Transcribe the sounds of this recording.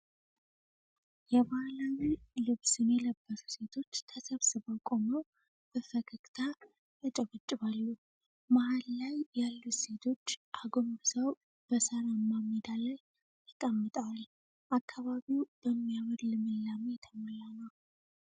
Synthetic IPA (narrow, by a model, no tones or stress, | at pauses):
jɛβahlawilɨβsɨnjɛləbːəsu̥se̞t̪ʰo̞t͡ʃːt̪ʰəsəβsɨβəwkʼoməw | b̥əfəkʰəkʼt̪ʰa | ət͡ʃʼəβət͡ʃʼːɨβalːu | mahalːajːalːuse̞t̪ʰo̞t͡ʃːʔaɡo̞mbsəw | b̥əsəɾamamːed̪alaj | t̪ʰəkʼəmːət̪ʼal | ʔakʰːaβaβiwb̥əmːijaməd̪lɨmɨlːamejt̪ʰəmolːanəw